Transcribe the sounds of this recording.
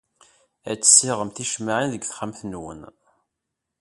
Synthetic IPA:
æ̰t͡sːə̥sːɪʁəmθiʃmaʕinðəɡθχəmθnwə̰n

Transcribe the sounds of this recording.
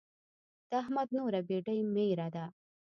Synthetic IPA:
d̪̥ːɦmɐd̪̚nuːɾabeːɖɐjmeːɾad̪a

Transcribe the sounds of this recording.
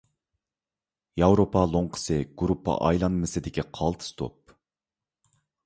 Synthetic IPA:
jɑwɾopʰɑlˠoɴqʰə̥sɨɡ̥ɾupːɑ̰ʔɑjlˠɑnmɨsɨd̪ɪkʲiqʰɑlˠt̪ʰɨ̥st̪ʰo̰p̚

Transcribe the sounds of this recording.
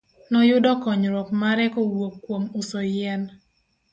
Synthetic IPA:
nɔjʊdɔkɔɲɾɔpmaɾɛkɔwokːwomʊsɔjɛn

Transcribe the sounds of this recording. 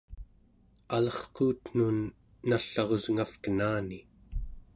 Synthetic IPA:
alʌχquːt̪n̥unː | aɬːɑʁo̞zŋafkənaːni

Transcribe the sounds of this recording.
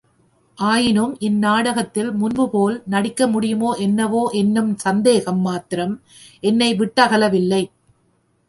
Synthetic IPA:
ʔaːjɪnɯmʔɪnːaːɽɐɣɐt̪ːɪlmʊnbɯpoːlnɐɽɪkːɐmʊɽɪjɯmoːʔɛnːɐʋoːʔɛnːɯmsɐnd̪eːɣɐmːaːt̪ɪɾɐm | ʔɛnːɐɪʋɪʈːɐɣɐɭɐʋɪlːɐɪ

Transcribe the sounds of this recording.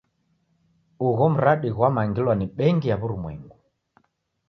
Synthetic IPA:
uɣɔm̩ɾaɗiɣwamaŋɡilwaniɓɛŋɡijaβuɾumwɛ̰ŋɡu

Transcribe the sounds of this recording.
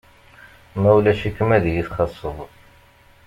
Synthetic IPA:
mæwlæʃikːəmæðjiθχɑsˤːəðˤ

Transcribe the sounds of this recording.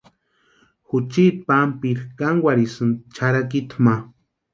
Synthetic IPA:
xut͡ʃit̪̚pampiɾkaŋɡwʷaɾisɨnt͡ʃʰaɾakit̪ʰma

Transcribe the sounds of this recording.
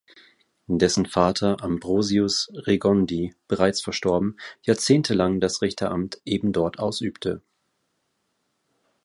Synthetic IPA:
ʔɪndɛsn̩faːtʰɐʔambʁoːziʊsʁeɡɔndiːb̥əʁaɪt͡sfɛɐʃtɔɐbm̩jaːɐt͡seːntʰəlaŋdasʁɪçtʰɐʔamtʔeːbm̩dɔɐtʔaʊsʔyːptʰə

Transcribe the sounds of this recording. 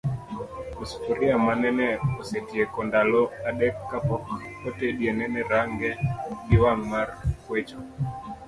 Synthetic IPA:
ospuɾiamanɛnɛosetiekɔndalɔaɗɛkːapɔk | oteɗienɛnɛɾaŋɡɛdiwaŋmarkwet͡ʃo

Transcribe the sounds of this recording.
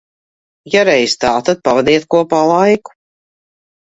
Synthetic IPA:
jaɾɛjst̪aːt̪ad̪̚pavɛd̪iɛt̪̚kuɔpalˠajku̥

